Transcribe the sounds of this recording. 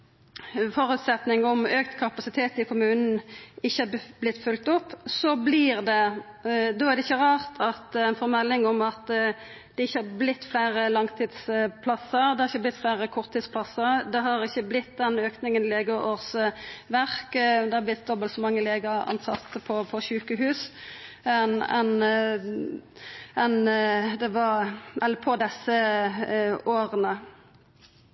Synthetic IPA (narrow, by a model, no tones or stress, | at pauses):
fɔɾʉt̪sɛt̪nɪŋɔmøːkt̪kʰɑpɑsɪt̪ʰeːt̪ɪkʰʊmʉːnn̩ɪçːəæblɪt̪ːfʉlkt̪ʊpːsɔblɪːʁd̪ɛ | d̪oːæʁd̪ɛɪçːəʁɑːʁt̪ʰɑt̪ɛɪnfɔɾmɛlːɪŋɔmɑt̪ | d̪̥ɛɪçːəɑɾblɪt̪ːflæɪɾəlɑŋt̪ʰiːd̪spʰlɑsːəɾd̪ɛhɑɾɪçəblɪt̪ːflæɪɾəkʰɔʁt̪ʰːiːd̪splɑsːəʁd̪ɛɦɑɾɪçːəblɪt̪ːd̪ɛnøːknɪŋənleːɡəʔoːʁsʋæʁkd̪ɛhɑblɪt̪̚d̪ɔbəlt̪sɔmɑŋːəleːɡəɾɑ̰nsɑt̪ːəpʰɔpʰɔɕʉːkəɦʉːs | ɛnɛn | ɛnd̪ɛʋɑɾʔɛlːpʰɔd̪ɛsə | oːɾənə